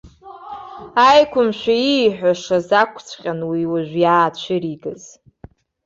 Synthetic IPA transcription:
ajkʷʰʊmʃʷᶣaiħʷᶣaʂazakʷʰt͡sʷʰqʲʼanwiwaʒᶣʷjaːt͡ɕʷʰɪɾiɡɨz̥

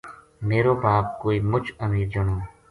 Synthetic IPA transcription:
meːɾoːbaːp̚koːiːmʊt͡ʃəmiːɾd͡ʒəɳoː

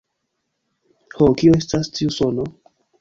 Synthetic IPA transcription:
hokioe̞stastʰiuso̞no

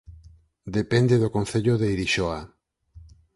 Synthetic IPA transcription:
d̪epend̪eðokon̟θeʎoðeiɾiʃɔa

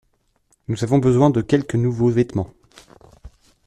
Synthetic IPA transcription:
nuzavɔ̃bəzwɛ̃d̪əkʲɛlkənuvovɛt̪mɑ̃

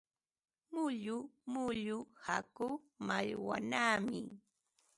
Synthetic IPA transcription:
mʊʎʊmʊʎʊhakʊ | maʎwa̰naːmɪ

